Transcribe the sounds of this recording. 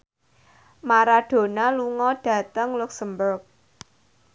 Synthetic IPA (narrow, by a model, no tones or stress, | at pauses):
maɾaɖ̥o̤naluŋɔɖ̥ä̤t̪əŋluksəmbʊrk̚